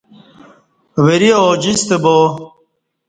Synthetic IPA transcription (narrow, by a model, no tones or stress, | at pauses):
weɾioːd͡ʑist̪eboː